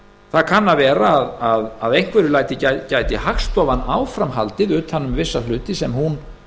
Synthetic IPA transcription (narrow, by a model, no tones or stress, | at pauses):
θaðkʰanːavɛːɾaːðaðaðejŋ̥kvɛɾɪlaːjt̪ɪcacaːjt̪ɪhaxst̪ɔvanːaːwfɾamɦalt̪ɪðʏːt̪hanːʏmvɪsːalʏːt̪ɪsɛmhun